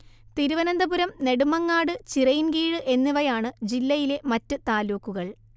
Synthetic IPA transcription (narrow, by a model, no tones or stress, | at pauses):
t̪iɾuʋɐnɐnd̪ɐbuɾɐmne̞ɽumɐŋːaːɽɨt͡ɕirɐjinɡiːɻɨʔe̞nːuʋɐjaːɳɨd͡ʑilːɐjile̞mɐtːɨt̪aːluːkːuɣɐɭ